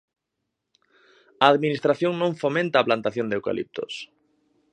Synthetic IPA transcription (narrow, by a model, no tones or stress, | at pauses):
aːðminist̪ɾaθjõŋnõɱfomẽnt̪aːplant̪aθjõnd̪ewka̰lḭp̚t̪ʊ̰s